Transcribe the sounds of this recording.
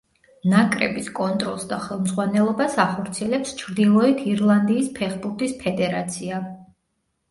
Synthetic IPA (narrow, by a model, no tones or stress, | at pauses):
nakʼɾɛ̰biskʼɔnt̪ʼɾɔ̰lˠsd̪aχɛlˠmzʁwanɛlˠɔbasaχɔɾt̪sʰiɛlɛpst͡ʃʰɾd̪ilˠɔit̪ʰiɾlˠand̪iːspʰɛχbuɾt̪ʰʼispʰɛd̪ɛɾat̪sʰia